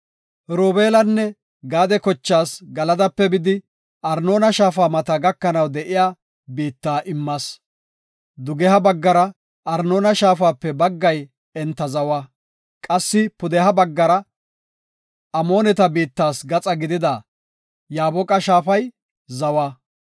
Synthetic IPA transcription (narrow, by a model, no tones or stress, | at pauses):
ɾoːbeːlɐnːɛ | ɡaːd̪ɛkɔt͡ʃːaːsɡɐlɐd̪ɐpːɛbɪd̪ɪ | ʔɐɾno̞ːnɐʃaːfaːmɐt̪ɐɡɐkːɐnɐwd̪ɛʔɪjaː | biːt̪ːaːʔɪmːɐs | d̪ʊɡɛhɐbɐɡːɐɾɐ | ʔɐɾno̞ːnɐʃaːfaːpːɛbɐɡːɐj | ɛnt̪ːɐzɐwɐ | kʼɐsːɪpʊd̪ɛhɐbɐɡːɐɾɐ | ɐmo̞ːnɛt̪ɐbiːt̪ːaːsɡɐt͡sʼɐɡɪd̪ɪd̪aː | jaːbɔkʼɐʃaːfɐj | zɐwɐ